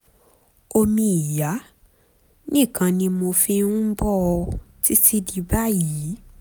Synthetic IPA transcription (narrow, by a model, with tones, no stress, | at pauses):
o˧mĩ˧i˨ja˨˦ | nĩ˦˨kã˧nĩ˧mo˧fĩ˦nũ˦bɔ˦ɔ˧ti˦si˦di˧ba˦˨ji˨˦